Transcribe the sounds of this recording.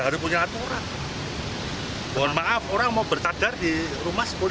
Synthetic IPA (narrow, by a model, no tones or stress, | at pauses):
ɦaɾʊspuɲaːt̪uɾan | boanmaʔafoɾaŋmaubərt̪adardirumasbol